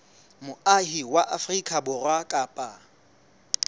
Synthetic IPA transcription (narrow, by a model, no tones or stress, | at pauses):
mʊahiwaʔafrikʼabʊrwakʼaːpʼa